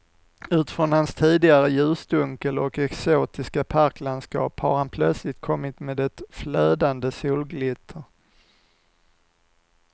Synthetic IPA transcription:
ʉ̟ːt̪fɾɔnhanst̪ʰiːd̪ɪɡaɾəjʉ̟ːsd̪ɵŋkəlɔkɛksoːt̪ɪskapʰaɾklanskɑ̰ːpha̰ɾhanpʰlœt̪slɪt̪̚kʰɔmːɪt̪meːd̪ɛt̪fløːd̪and̪əsuːlɡlɪt̪ʰːəɾ

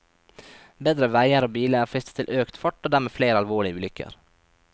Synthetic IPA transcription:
beːd̪ɾəʋæɪəɾoːbiːləæːɾfɪst̪ə̥t̪ʰɪlʔøːkt̪fɔʈːoːd̪æːɾmeːfleːɾɑlʋoːɭɪəʉːlʏkə̰ɾ

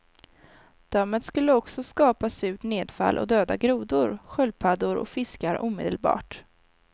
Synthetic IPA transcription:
d̪̥amːət̪skɵlːəɔksɔskɑːpasʉ̟ːʈneːd̪fa̰lʔɔ̰d̪øːd̪a̰ɡɾuːd̪ʊɾɧœlpʰad̪ʊɾɔ̰fɪskaɾʔuːmḛːd̪əlbɑ̰ːʈ

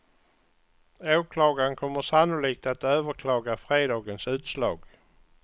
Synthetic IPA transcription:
oːkʰlɑːɡankʰɔmːəʂanʊliːk̚t̪at̪øːvəɾkʰlɑːɡafɾeːd̪ɑːɡənsʉ̟ːt̪slɑːɡ

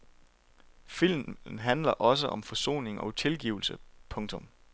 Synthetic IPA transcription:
fil̰mn̩ɦænlɐʔɒ̽s̬əʔɒ̽mfɒso̝̰ːne̝ŋɒ̽ʊt͡sʰe̝lɡ̥ḭːʊl̩səpʰɔ̽ŋt͡sʰɔ̽m

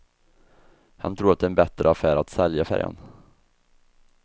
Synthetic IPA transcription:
hant̪ʰɾuːɾat̪d̪ɛnbɛt̪ɾʔəafæːɾat̪sɛljafæ̰ɾja̰n

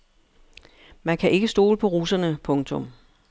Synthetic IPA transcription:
mænkʰæʔe̝ɡ̥əsd̥o̝̰ːləpʰɒ̽ʁuːsɐnəpʰɔ̽ŋt͡sʰɔ̽m

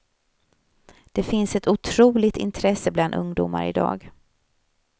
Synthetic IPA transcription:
d̪̥ɛfɪnsɛt̪ʊt̪ʰɾuːlɪt̪ɪ̰nt̪ʰɾɛsːəbland̪ɵ̰ŋd̪ṵːma̰ɾɪ̰d̪ɑ̰ːɡ

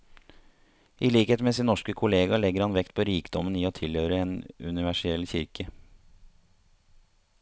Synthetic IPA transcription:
ʔiːliːkheːt̪meːsɪːnnɔʂkəkʰʊleːɡɑɭɛɡəɾhɑnʋɛkt̪pʰoːɾiːkd̪ɔməniːoːt̪ʰɪlhøːɾəeːnʉ̰nɪʋæʂɪɛlçɪɾkʰə

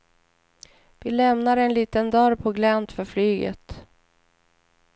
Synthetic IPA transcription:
vɪlɛmnaɾɛnliːt̪ənd̪œːɾpʰɔɡlɛnt̪fœɾflyːɡə̰t̪

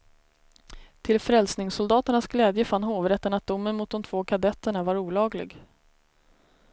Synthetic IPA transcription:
t̪ʰɪlfɾɛlsnɪŋsʊld̪ɑːt̪əɳasɡlɛːd̪jəfanːɦoːvɾɛt̪ːənat̪̚d̪ʊmːənmʊt̪̚d̪ɔmt̪ʰvoːkʰad̪ɛt̪ːəɳavaɾuːlɑːɡlɪ̰ɡ

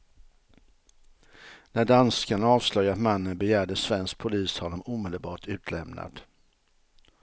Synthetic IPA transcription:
næɖanskaɳaɑːvslœɡat̪manːənbɛjæːɖəsvɛnsk̚pʰʊliːshɔnːɔmuːmɛd̪əlbɑːʈʰʉ̟ːt̪ʰlɛmna̰d̪̥

